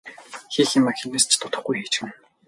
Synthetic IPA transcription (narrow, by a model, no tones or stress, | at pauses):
xiːximːaxinist͡ɕt̪ʰʊt̪ə̆χɡujxiːt͡ɕxɘ̆n